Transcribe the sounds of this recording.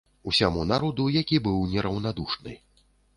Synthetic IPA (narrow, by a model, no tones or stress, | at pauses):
usʲamunaɾɔd̪ujakʲibɨwnʲɛɾɐwnad̪uʂnɨ̰